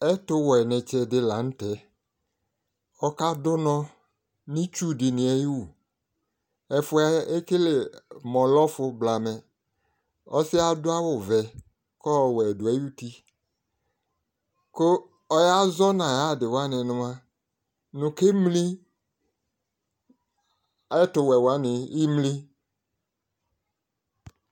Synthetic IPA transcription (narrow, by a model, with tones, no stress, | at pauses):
ɛ˦tʊ˦wɔ˨ɛ˨nɛ˨t͡ʃɛ˨dɪ˦la˨ñ̩˦tɛ˨ | ɔ˦ka˦dʊ˦nɔ̃˦ | nĩ˦t͡ʃu˦dɪ˨nĩ˨ɛ˨ji˦wu˨ | ɛ˨fʊ˦a˦e˦ke˦le˨mɔ̃˨lɔ˦fʊ˦bla˨mɛ˨ | ɔ˦sɪ˦a˦dʊ˦a˦wʊ˨vɛ˨ | kɔ˦˨wɛ˨dʊ˨ɛ˦ju˦t̪i˦ | ko˦ | ɔ˦ja˦zɔ˦nã˨ja˦˨dɪ˨wa˦nɪ̃˨nʊ̃˦mã˦ | nʊ̃˨ke˦mli˦ | tʊ˨wɛ˨wa˦nɪ̃˨i˦mli˦